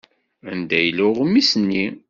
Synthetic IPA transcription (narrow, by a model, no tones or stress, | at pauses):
ənd̪æjlʊʁmːisnːi